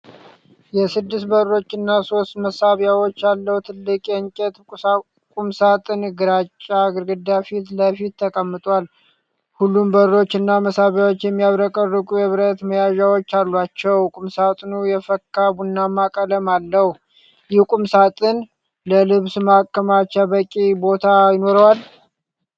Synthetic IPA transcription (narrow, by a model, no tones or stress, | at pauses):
jɛsɨd̪ːɨst̪bərːo̞t͡ʃːɨnːaso̞st̪məsaβjawo̞t͡ʃːjalːəhut̪ʰɨlːɨkʼeɨŋt͡ʃʼɛt̪ʼ | kʼumsat̪ʼɨnɡɨɾat͡ʃʼːaɡɨɾɡɨd̪afit̪ləfit̪ːʰəkʼəmːɨt̪ʼwal | hulːumbəɾo̞t͡ʃːɨnːaməsaβjawot͡ʃːjɛmːijaβɾəkʼərːɨkʼujɛβɾət̪məjaʒawo̞t͡ʃːalːuat͡ʃːɛwkʼumsat̪ʼnujɛfəkʰːabunːamːakʼələmalːəh | jɪkʼumsat̪ʼɨn | ləlɨβsmakːəmat͡ʃabəkʼibo̞t̪ʰajɪno̞ɾəwal